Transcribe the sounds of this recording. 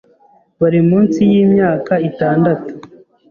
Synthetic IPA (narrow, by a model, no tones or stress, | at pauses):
βaɾimuːnsijiːmɲaːkaitaːndatu̥